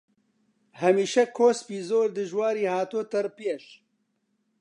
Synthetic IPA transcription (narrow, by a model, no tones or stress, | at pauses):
hɐmiːʃɛkʰoːspiːzoːɾd̪ɨʒwaːɾiːhaːt̪oːt̪ɐɾpieʃ